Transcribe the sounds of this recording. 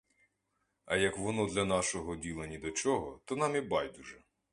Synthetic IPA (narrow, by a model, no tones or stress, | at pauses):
ɐjɐkʋɔnɔd̪lʲɐnɑʃɔɦɔdʲilˠɐnʲid̪ɔt͡ʃɔɦɔt̪ɔnɑmibɑjd̪uʒɛ